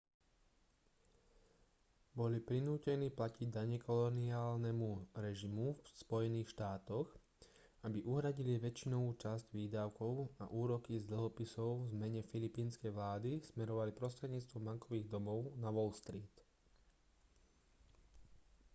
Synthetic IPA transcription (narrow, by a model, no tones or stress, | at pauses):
bɔlipɾinuːcɛniːplaciɟd̪aɲɛkɔlɔniaːlnɛmuɾɛʒimufspɔjɛniːxʃt̪aːt̪ɔɣ | abiʔuɦɾaɟiliʋɛt͡ʃinɔuːt͡ʃazɟʋiːd̪aʊkɔʊa̰ʔuːɾɔkizd̪l̩ɦɔpisɔʊvzmɛɲɛfilipiːnskɛjʋlaːd̪ismɛɾɔʋalipɾɔst̪ɾɛd̪ɲiːt͡st̪ʋɔmaŋkɔʋiːɣd̪ɔmɔʊnaʋɔlst̪ɾiːt̪